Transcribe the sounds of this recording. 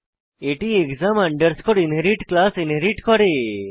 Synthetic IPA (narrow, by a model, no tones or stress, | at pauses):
eʈiekzamaɳɖəɾskɔɽinɦeɾiʈklasinɦeɾiʈkɔɽe